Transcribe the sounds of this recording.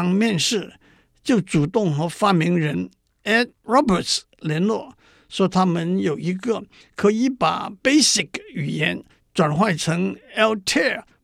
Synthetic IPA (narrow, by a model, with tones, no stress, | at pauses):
ŋmjɛ˥˧nʂɻ̩˥˩ | t͡ɕjo˥˩ʊt͡su˨˩t̪ʊ˥˩ŋxɤ˧˥fa˥mi˧˥ŋɻə˧˥n | ɛ˥t̚ | ɹɔ˥bə˨˩t | ljɛ˧˥nlwɔ˥˩ | ʂwɔ˧˥t̪ʰa˥mə˨njo˨˩ʊi˧˥ɡə˨ | kʰɤ˧˥i˧˥pa̰˨˩pe˥ɪsi˨˩ky˨˩jɛ˧˥n | t͡swa˨˩nxwa˥˩ɪʈ͡ʂʰɤ˧˥ŋɛ˥lt̪ʰɛ˥˩